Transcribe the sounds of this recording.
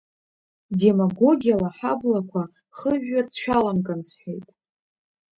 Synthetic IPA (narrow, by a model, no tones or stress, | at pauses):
de̞maɡo̞ɡʲijalaħablakʷʰa | χəʒᶣːart͡sʰʃᶣalamɡɨnsħʷᶣe̞jtʼ